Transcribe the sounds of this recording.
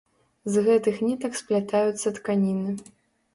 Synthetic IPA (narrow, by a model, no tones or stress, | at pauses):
zɣɛt̪ɨxnʲit̪ɐksplʲat̪ajut̪sːɐt̪kanʲinɨ